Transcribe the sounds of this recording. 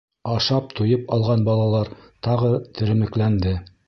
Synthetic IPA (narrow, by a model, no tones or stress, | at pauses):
ɑʃɑp̚t̪ujɤpɑlˠʁɑnbɑlˠɑlˠɑɾt̪ɑʁɤt̪ʰɘ̆ɾɘ̆mɘ̆klænd̪ɘ